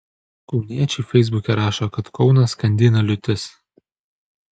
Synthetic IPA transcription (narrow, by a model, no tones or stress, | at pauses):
kɒʊnʲiɛt͡ʃʲɛɪfʲɛɪzbʊkʲɛɾɑːʃoːkɐt̪kɒʊnɐskɐnʲd̪ʲɪnɐlʲʊt̪ʲɪs